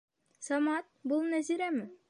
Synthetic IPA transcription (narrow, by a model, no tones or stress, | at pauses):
sɒmɑt̪̚bulˠnæziɾæmɘ